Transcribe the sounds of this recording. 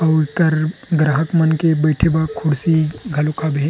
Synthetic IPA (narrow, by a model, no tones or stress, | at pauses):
ɐk̪əɾɡɾaɦəkmɐnkebɐjʈʰebakʰʊɽsiɡʱɐlokʰabe